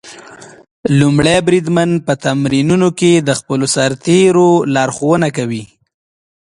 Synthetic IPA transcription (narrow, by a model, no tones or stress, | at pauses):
lumɽabɾid̪man̚pət̪amɾinunoked̪əxpəlosaɾt̪eɾolɑɾxowənakawi